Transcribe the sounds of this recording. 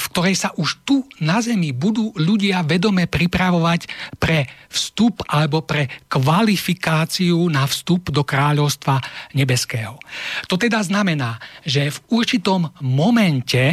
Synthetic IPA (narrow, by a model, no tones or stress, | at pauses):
fk̚t̪ɔɾɛjsaʔuʃt̪unazɛmibud̪uːʎuɟɪaʋɛd̪ɔmɛpɾipɾaʋɔʋacpɾɛfst̪upalɛbɔpɾɛkʋalifikaːt͡siunafst̪upd̪ɔkɾaːʎɔʊst̪ʋaɲɛbɛskɛːɦɔt̪ɔt̪ɛd̪aznamɛnaːʒɛvuɾt͡ʃit̪ɔmːɔmɛncɛ